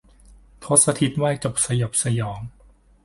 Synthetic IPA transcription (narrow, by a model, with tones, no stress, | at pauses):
t̪ʰo˦˥t̪̚sa˧t̪ʰi˦˥t̪̚waː˥˩jt͡ɕo˨˩p̚sa˧jo˨˩p̚sa˧jɔː˩˦ŋ